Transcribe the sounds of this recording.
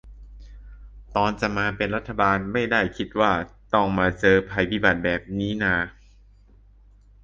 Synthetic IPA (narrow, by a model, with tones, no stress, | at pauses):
t̪ɔː˧nt͡ɕa˨˩maː˧pe˧nɾa˦˥t̪ʰːa˧baː˧nma˥˩jda˥˩jkʰi˦˥t̪̚waː˥˩t̪ɔ˥˩ŋmaː˧t͡ɕɤː˧pʰa˧jpʰi˦˥˩ba˨˩t̪̚bɛː˨˩p̚niː˦˥naː˧